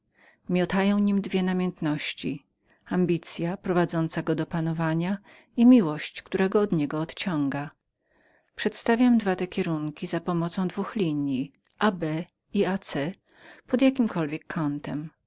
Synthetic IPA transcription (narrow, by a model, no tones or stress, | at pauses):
mʲjɔt̪ajɔ̃w̃ɲimd̪vʲjɛnamʲjɛnt̪nɔɕt͡ɕi | ambʲit̪sʲjapɾɔvad̪zɔnt̪saɡɔd̪ɔpanɔvaɲa | imʲiwɔɕt͡ɕkt̪uɾaɡɔːd̪ɲɛɡɔːt̪t͡ɕɔ̃ŋɡa | pʂɛt̪st̪avʲjamd̪vat̪ɛkʲɛɾuŋkʲizapɔmɔt̪sɔ̃w̃d̪vuxlʲiɲji | ʔabɛ | iat̪sɛ | pɔd̪jakʲimkʰɔlvʲjɛkʰːɔnt̪ɛm